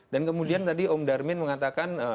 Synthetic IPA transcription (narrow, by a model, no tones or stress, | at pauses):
dankəmudiant̪adiɔmdarmɪnməŋat̪akan